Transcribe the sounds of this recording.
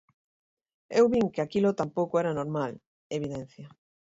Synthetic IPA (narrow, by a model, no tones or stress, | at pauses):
ewβiŋkeakilot̪ampowkoɛɾanoɾmal | eβ̞iðɛn̟θjɐ